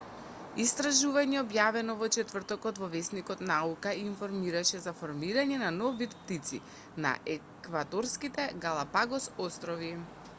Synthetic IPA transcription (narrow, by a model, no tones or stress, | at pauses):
ist̪ɾaʒuvaɲɛɔbjavɛnɔvɔt͡ʃɛt̪vər̩t̪ɔkɔt̪vɔvɛsnikɔt̪naukaiːnfɔɾmiɾaʃɛzafɔɾmiɾaɲɛnanɔvit̪pt̪it̪si | na̰ʔɛ | kvad̪ɔɾskit̪ɛɡalˠapaɡɔsɔst̪ɾɔvi